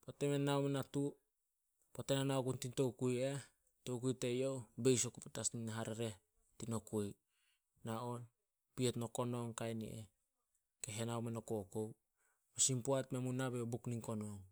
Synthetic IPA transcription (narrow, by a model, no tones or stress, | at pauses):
potemenːawmenatu | potenanaokuntinto̞wkuje | towk̬ujtejo̞be̞jsokupetasninaɦaɾeɾe̞ | tinokuj | naon | pietno̞ko̞noŋkajnḭʔḛ | keɦenawmenokokow | posimpuatmemunːabeobukniŋko̞noŋ